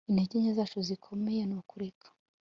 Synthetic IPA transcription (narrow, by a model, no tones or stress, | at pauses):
ineɟiɲezaːt͡ʃuzikʰomejenukuɾikʰḁ